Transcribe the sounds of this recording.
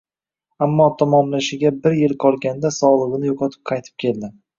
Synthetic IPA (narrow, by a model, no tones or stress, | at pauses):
amːɒt̪ʰamɒmlaʃɪɡʲabɪɾjɪlˠqʰɒlˠɡʲand̪asɒlˠɨʁɨnɪjoqʰɒt̪ʰɪ̥p̚qʰɑjt̪ʰɪ̥p̚kʲʰe̞ld̪ɪ